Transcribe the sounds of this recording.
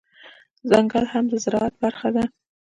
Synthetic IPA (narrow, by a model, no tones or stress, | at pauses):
zaŋɡalhamd̪əzɪɾɑat̪̚baɾxad̪a